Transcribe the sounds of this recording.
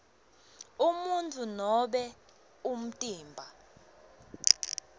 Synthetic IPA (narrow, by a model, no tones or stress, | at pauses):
umuntʰʼunɔɓɛ | um̩tʼiːmbʱa